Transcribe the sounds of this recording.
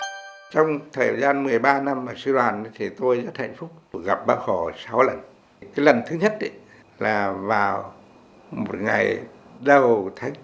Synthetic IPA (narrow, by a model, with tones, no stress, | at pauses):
t͡ɕɔ˧wŋ͡mt̪ʰəː˨˩jzaː˧nmɨ˨˩əjɓaː˧na˧mːaː˨˩si˧ɗwaː˨˩ni˧˨˦t̪ʰi˨˩t̪o˧jzə˦˥t̚ha̰˧˨jŋ̟fʊ˦˥k͡p̚ɗk̚ɣa˨˩p̚ɓaː˧wxɔ˧˩sa˨˦wlə˨˩n | kaː˨˦jlə˨˩nt̪ʰɨ˨˦ɲə˦˥t̚ɗḭ˨˦ | laː˨˩vaː˨˩w | mo˨˩t̚ŋa̰˨˩jɗə˨˩wt̪ʰa˨˦ŋ